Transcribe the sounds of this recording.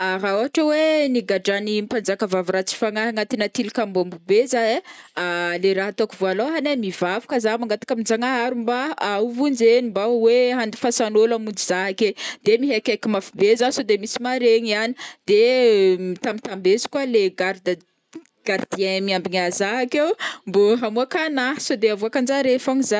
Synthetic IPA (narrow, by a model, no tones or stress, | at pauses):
aɾaoaʈ͡ʂaweniɡaɖ͡ʐanimpand͡zakəvavuɾat͡si̥faŋaɦaŋat̪inat̪ilikambombubezaealeɾaɦat̪okivoaloɦanemivavu̥kazamaŋɡat̪ḁkamind͡ʒaŋaaɾumbaawvund͡ʒenimbaweɦand̪i̥fasanolamund͡ʒiz̥aɦaked̪̥emiɦekʲakimafibezasod̪emisimaɾeɲiani̥d̪̥emit̪amit̪ambezi̥kwaleɡad̪ | ɡ̥aɾd̪ienmiambiɲazaakewmboɦamuakanaɦsod̪eavuakand͡ʒaɾefoŋiza